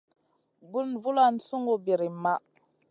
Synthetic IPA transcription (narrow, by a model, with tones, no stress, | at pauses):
bu˦nvu˦la˦nsu˦ŋo˦bi˨ɾi˨ma˦